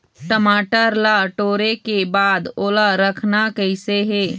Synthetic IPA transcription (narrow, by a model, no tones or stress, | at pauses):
ʈəmaːʈəɾlaʈoːɾekebaːd̪oːlaɾəkʰnakɛɪseɦɛː